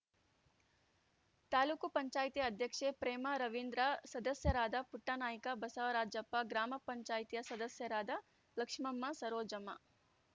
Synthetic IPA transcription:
t̪aːluːkupɐɲt͡ʃaːjt̪ijɐɐd̪ʱjɐkʂepɾeːmɐɾɐʋind̪ɾɐsɐd̪ɐsjɐɾaːd̪ɐpuʈːanaːjikɐbɐsɐʋɐɾaːd͡ʒɐpːɐɡɾaːmɐpɐɲt͡ʃaːjt̪ijɐsɐd̪ɐsjɐɾaːd̪ɐ | lɐkʂmɐmːɐsɐɾoːd͡ʒɐmɐ

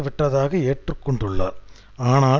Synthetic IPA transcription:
ʋɪʈːɐðaːɣɐeːʈrɯkːɔɳɖɯɭːa̰ːɾ | aːnaː

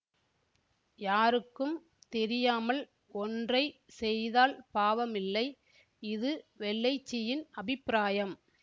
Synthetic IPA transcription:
jaːɾɯkːɯm | t̪ɛɾɪjaːmɐl | ɔndrɐɪ | sɛjðaːlpaːʋɐmɪlːɐɪ | ɪðɯʋɛɭːɐɪt͡ʃːɪjɪnʔɐbɪpːɾaːjɐm

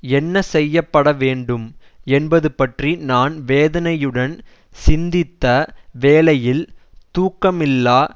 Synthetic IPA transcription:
ɛnːɐsɛjːɐpːɐɽɐʋeːɳɖɯm | ɛnbɐðɯpɐʈrinaːnʋeːðɐnɐjɯɽɐn | sɪnd̪ɪt̪ːɐʋeːlɐjɪlt̪uːkːɐmɪlːaː

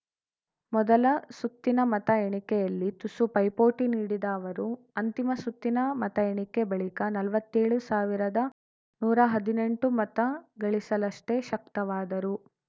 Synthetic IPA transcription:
mɔd̪ɐlɐsut̪ːinɐmɐt̪ɐɛɳikɛjɐlːit̪usupɐjpoːʈiniːɽid̪ɐːʋɐɾu | ɐnt̪imɐsut̪ːinɐmɐt̪ɐeɳikebɐɭikɐnɐlʋɐt̪ːeːɭusaːʋiɾɐd̪ɐ | nuːɾɐɦɐd̪ine̞ɳʈumɐt̪ɐɡɐɭisɐlɐʂʈe̞ʃɐk̚t̪ɐʋaːd̪ɐɾu

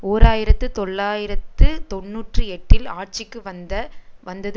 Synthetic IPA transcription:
oːɾaːjɪɾɐt̪ːɯt̪ɔɭːaːjɪɾɐt̪ːɯt̪ɔnːuːʈrɯɛʈːɪlaːʈ̚t͡ʃɪkːɯʋɐnd̪ɐʋɐnd̪ɐðɯ

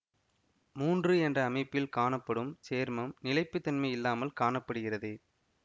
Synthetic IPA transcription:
muːndrɯɛndrɐːmɐɪpːɪlkaːɳɐpːɐɽɯmseːɾmɐmnɪlɐɪpːɯt̪ːɐnmɐɪɪlːaːmɐlkaːɳɐpːɐɽɯɣɪrɐðɯ

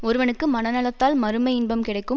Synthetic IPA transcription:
ɔɾɯʋɐnɯkːɯmɐnɐnɐlɐt̪ːaːlmɐɾɯmɐɪɪnbɐmkɪɽɐɪkːɯ

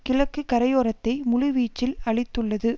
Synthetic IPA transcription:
kɪlɐkːɯkɐɾɐjoːɾɐt̪ːɐɪmʊlʊʋiːt͡ʃːɪlɐɭɪt̪ːɯɭːɐðɯ

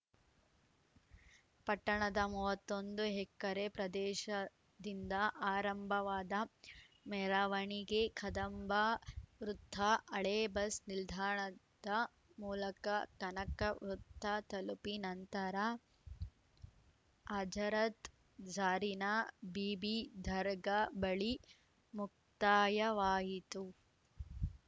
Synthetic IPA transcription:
pɐʈːɐɳɐd̪ɐmuːʋɐt̪ːond̪uɦɛkːɐɾepɾɐd̪ɛːʃɐ | d̪ind̪ɐʔaːɾɐmbʱɐʋaːd̪ɐ | mɛɾaːʋɐɳiɡekʰɐd̪ɐmbʱɐʋɾut̪ːɐɐɭeːbɐsnild̪ʱaːɳɐ | d̪ɐ | muːlɐkɐkɐnɐkɐʋɾut̪ːɐt̪ɐlupinɐnt̪ɐɾɐ | ad͡ʒɐɾɐt̪ | d͡ʒaːɾinɐbiːbid̪ʱɐɾɡɐbɐɭi | muk̚t̪aːjɐʋaːɦit̪u

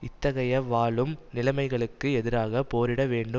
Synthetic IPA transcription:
ɪt̪ːɐɣɐjɐʋaːɭɯmnɪlɐɪmɐɪɣɐɭɯkːɯɛðɪɾaːɣɐpoːɾɪɽɐʋeːɳɖɯ

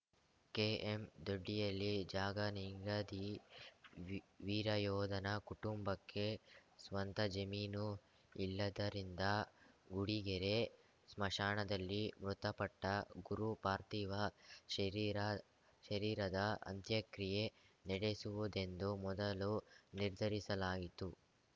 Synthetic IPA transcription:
keːemd̪oɖːijɐlːid͡ʒaːɡɐniŋɡɾɐd̪i | ʋiːɾɐjɔːd̪ɐnɐkuʈumbɐkːe̞sʋɐnt̪ɐd͡ʒɐmiːnu | ilːɐd̪ɐɾind̪ɐɡuɽiɡɛɾe̞ | smɐʂaːɳɐd̪ɐlːimɾut̪ɐpɐʈːɐɡuɾupaːɾt̪iːʋɐʃɐɾiɾɐ | ʃɐɾiːɾɐd̪ɐʔɐ̰nt̪jɐkɾijenɛɽesuʋud̪e̞nd̪umɔd̪ɐluniɾd̪ʱɐɾisɐlaːɡit̪u

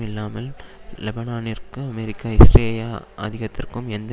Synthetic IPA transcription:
ɪlːaːmɐllɛbɐnaːnɪrkɯɐmɛɾɪkːaːɪsʈɾeːjaːɐ̰ðɪɣɐt̪ːɪrkɯmɛnd̪ɐ

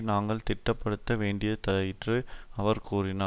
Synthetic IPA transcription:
naːŋɡɐɭt̪ɪʈːɐpːɐɽɯt̪ːɐʋeːɳɖɪjɐt̪ɐɐjɪʈrɯɐʋɐɾkuːrɪnaː

